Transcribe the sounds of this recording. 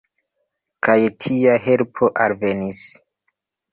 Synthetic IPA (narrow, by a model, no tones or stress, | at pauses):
kʰajtʰiaɦe̞lpʰoʔalve̞nis